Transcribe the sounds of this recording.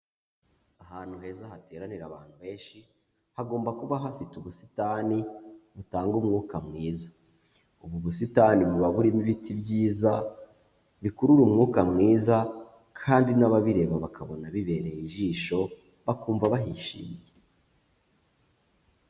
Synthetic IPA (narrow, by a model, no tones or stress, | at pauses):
aɦaːn̥huɦe̞ːzahate̞ːɾaniɾaβaːn̥huβe̞ːnʃi | haɡo̞ːmbakuβaɦafituβusi̥taːniβutaːŋɡumŋuːkamŋiːza | uβuβusitaːniβuβaβuɾimiβitibɟiːza | βikuɾuɾumŋuːkamŋiːza | kʰaːndinaβaβiɾe̞βaβakʰaβonaβiβe̞ːɾe̞jiʒiːʃo̞ | βakuːɱvaβaɦiʃḭːmje